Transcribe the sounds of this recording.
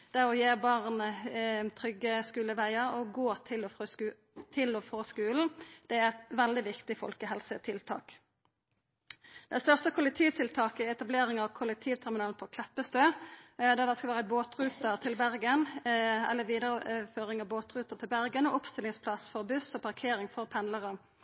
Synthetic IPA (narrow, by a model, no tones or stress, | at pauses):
d̪̥æʁɔjeːbɑʁnət̪ʰʁʏɡəskʉːləʋæɪəʁɔɡoːt̪ʰɪlɔf | t̪ʰɪlɔfʁoːskʉːln̩d̪̥ɛæʁɛt̪ʋɛld̪ɪʋɪkt̪ɪfɔ̰lkəɦɛlsət̪ʰɪlt̪ʰɑ̰ːk | d̪̥ɛæst̪œʁt̪əkʰʊlɛk̚t̪ʰiːʋt̪ʰɪlt̪ʰɑːkəɛt̪ɑbleːʁɪŋɑʋkʰʊlɛk̚t̪ʰiːʋt̪ʰæʁmɪnɑːlpʰɔkʰlɛpːəst̪øːd̪ɛd̪æskɑlʋæːʁəboːt̪ʁʉːt̪əʁt̪ʰɪlbæʁɡənɛ̰lːəʋiːd̪əʁəføːʁɪŋɑʋboːt̪ʁʉːt̪ət̪ʰɪlbæʁɡənɔʔʊpst̪ɪlɪŋspʰlɑsfɔʁbʉsɔpʰɑʁkʰeːɾɪŋfɔʁpʰɛnləʁə